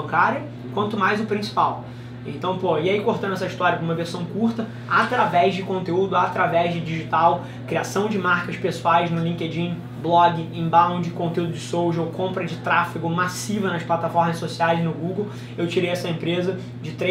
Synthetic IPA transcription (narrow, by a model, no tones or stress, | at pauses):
kaɾɐ | kwɐ̃nt̪ʊmajzʊpɾĩsi̥paw | ẽnt̪ɐ̃w̃poɐɪaikoɾt̪ɐ̃nd̪ʊɛsɐiʃt̪ɔɾiɐkũmɐveɾsɐ̃w̃kuɾt̪ɐ | at̪ɾavɛzd͡ʒɪkõnt̪eud̪ʊat̪ɾavɛzd͡ʒɪd͡ʒiʒit̪aw | kɾiasɐ̃w̃d͡ʒɪmaɾkɐʃpesuajznʊlĩked͡ʒĩ | blɔɡɪẽbãd͡ʒɪkõnt̪eud̪ʊd͡ʒɪsowʒowkõmpɾɐd͡ʒɪt̪ɾafiɡʊmasivɐnɐʃplat̪afɔɾmɐssosiajznʊɡuɡow | ewt͡ʃiɾejɛsɐẽmpɾezɐ | d͡ʒɪt̪ɾe